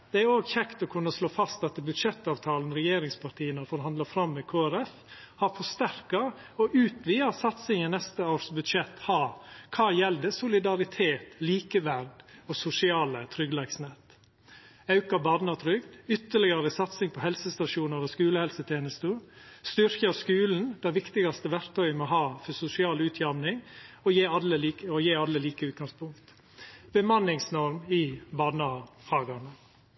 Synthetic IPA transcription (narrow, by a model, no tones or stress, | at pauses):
d̪̥ɛæɾoːɡçɛkt̪ɔkʰʉnːəsloːfɑst̪ɑt̪bʉd̪ʂɛt̪ːɑːʋt̪ʰɑːln̩ɾɛjeːɾɪŋspʰɑʈʰiːənəɾfɔɾhɑnd̪lɑfɾɑmːɛkʰoːæɾɛf | hɑɾfɔst̪æɾkɑ | ɔʔʉːt̪ʋiːɑsɑt̪sɪŋənnɛst̪əoːɾsbʉd̪ʂɛt̪hɑkʰɑːjɛld̪əsʊlɪd̪ɑɾɪt̪ʰeːt̪liːkəʋæɾɖɔsʊsɪɑːlət̪ʰɾʏɡlɛɡsnet̪ | ɑʉkɑbɑːd̪nɑt̪ʰɾʏɡd̪ʏt̪ːəɭɪɡɑɾəsɑt̪sɪŋpʰɔhɛlsəst̪ɑʂuːnəɾəskʉːləhɛlsət̪ʰjeːnəst̪əst̪ʏɾçɑskʉːln̩d̪̥æʋɪkt̪ɪɡɑst̪əʋæɾkt̪ʰœʏəmoɦɑːfɔsʊsɪɑːlʉːt̪ʰjɑmnɪŋɔjeːɑlːəliːɔjeːɑlːəliːkəʉːt̪ɡɑŋspʊŋkt̪ | bəmɑnːɪŋsnɔɾmɪbɑːd̪nɑhɑːɡɑnə